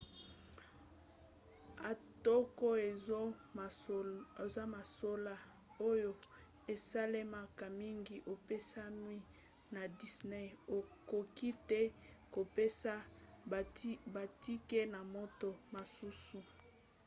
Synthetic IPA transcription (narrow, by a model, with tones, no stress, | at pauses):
a˨to˦ko˦e˨˦˨ | za˦ma˨so˦la˦ | o˦jo˦ | e˨sa˦le˦ma˨ka˨mi˦ŋɡi˨ʔo˨pe˦sa˦mwi˦ | na˨di˨sne˦o˨ko˨ki˦tɛ˦ko˨pe˦sa˦˨ | ba˨ti˦ke˦na˨mo˦to˨ma˨su˦su˨